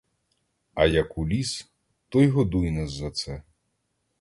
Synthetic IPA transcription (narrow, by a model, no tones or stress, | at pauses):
ɐjɐkulʲis | t̪ɔjɦɔd̪ujnɛzzɐt̪sɛ